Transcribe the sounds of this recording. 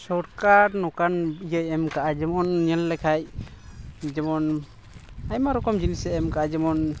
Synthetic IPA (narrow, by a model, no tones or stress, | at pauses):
sɔɾkaɾnɔkanijəjɛmkaʔad͡ʒɛmɔnɲɛllɛkʰaj | d͡ʒɛmɔn | ajmaɾɔkɔmd͡ʒinisɛɛmkaʔad͡ʒɛmɔn